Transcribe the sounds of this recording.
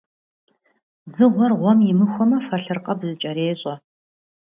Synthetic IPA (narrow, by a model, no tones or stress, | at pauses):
zɨʁʷɔrʁʷɔmjɪmɨxʷɔmɐfɐɬɨrqɐbzɨt͡ʃʼɐɾeːɕʼɔ